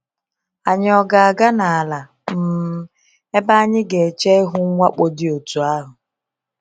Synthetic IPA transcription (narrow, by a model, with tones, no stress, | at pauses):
a˨ɲ˦˨ɔ˨ɡa˨a˨ɡa˦na˨a˨la˨ | m̩˨˦ | e˦ba˦a˦ɲɪ˦ɡe˨t͡ʃe˦ɪ˦ɦʊ˦ŋʷa˦k͡po˦dɪ˦o˨tu˨a˦ɦʊ˨